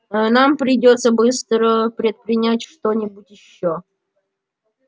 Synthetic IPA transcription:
nampɾʲɪdʲot̪səbɨst̪ɾəpɾʲɪt̪̚pɾʲɪnʲætʲʂt̪onʲɪbʊtʲjɪɕːo

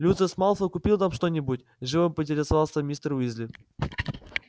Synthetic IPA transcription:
lʲut̪zəsmalˠfəkʊpʲilˠt̪amʂt̪onʲɪbutʲ | ʐɨvɨmpɨtʲɪɾʲɪsɐvalˠsəmʲist̪əɾizʲlʲɪ

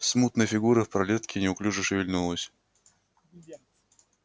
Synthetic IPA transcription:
smut̪nəjfʲɪɡuɾəfpɾɐlʲet̪̚kʲɪnʲɪʊklʲuʐɨʂɪvʲɪlʲnulˠəsʲ

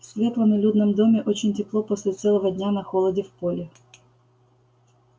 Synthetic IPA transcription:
sʲvʲet̪lˠɐnɐlʲud̪nɨmd̪omʲɪʔot͡ɕɪnʲtʲɪplˠopɔsʲlʲɪt̪sɛlˠɐʋɐd̪ʲnʲanɐxɔlˠɐdʲɪfpolʲɪ

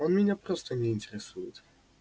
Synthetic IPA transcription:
ɔnmʲiɲapɾɔst̪ɔɲɛint̪ɛɾɛsujɛ

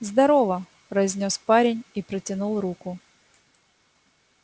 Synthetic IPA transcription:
zd̪ɐɾovə | pɾɐɪzʲnʲospaɾʲɪnʲipɾətʲɪnulˠrukʊ

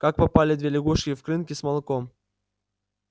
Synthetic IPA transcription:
kak̚pɐpalʲɪd̪vʲelʲɪɡuʂʲɪfkɾɨnkʲɪsmɐlˠɨkom

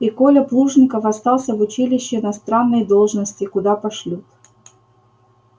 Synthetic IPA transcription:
ikolʲəplˠuʐnʲɪkəfɐst̪ɑlˠsʲəvʊt͡ɕilʲɪɕːɪɪnɐst̪ɾanːəjd̪olˠʐnəsʲtʲɪkʊd̪apɐʂlʲut̪

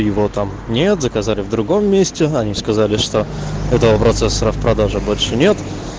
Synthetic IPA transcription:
jɪvot̪am | nʲe̞t̪zəkɐzalʲɪvd̪ɾʊɡo̞mːʲesʲtʲɪɐnʲiskɐzalʲɪʂt̪o̞ɛt̪əvəpɾɐt̪sɛsːəɾəfpɾɐd̪aʐɨbo̞lʲʂɨnʲe̞t̪

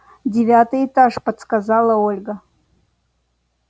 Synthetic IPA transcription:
dʲevʲatʼɨetʼaʐpʼadskʼazalˠaolʲɡa

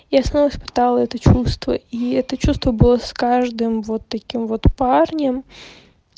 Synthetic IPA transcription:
jasnɔʋɐspɪ̥t̪ɑlˠɐɛt̪ɛt͡ʃust̪ʋɐ̰iɛt̪ɛt͡ʃust̪ʋɐbʊlˠɔskɑʒd̪ɪmʋɔt̪ːɐkʲɪmʋɔt̪pɑrnʲɐm

